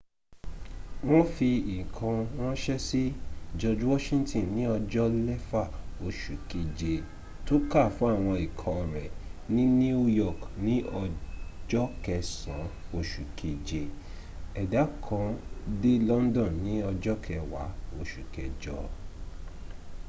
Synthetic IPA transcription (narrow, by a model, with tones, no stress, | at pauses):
w̃ɔ̃˦fi˧i˨kʰã˧w̃ɔ̃˦ʃɛ˦si˦d͡ʒɔ˧d͡ʒu˦wɔ˦ʃĩ˦ntĩ˦˨nĩ˨˦ɔ˧d͡ʒɔ˦lɛ˦fa˦˨o˨ʃu˨ki˨d͡ʒe˧ | to˦ka˦˨fũ˦a˦˨w̃ɔ̃˧i˨kʰɔ̃˧ɔ˨ɾɛ˨nĩ˨˦ni˦u˦jɔ˦˨knĩ˦ɔ˧d͡ʒɔ˦kɛ˧sã˨˦o˨ʃu˨kʰi˨d͡ʒe˧ | ɛ˨da˨˦kʰɔ̃˧de˦lɔ˦n˦dɔ̃˦˨nĩ˨˦ɔ˧d͡ʒɔ˦kʰɛ˧wa̰˨˦o˨ʃu˨kɛ˨d͡ʒɔ˧˦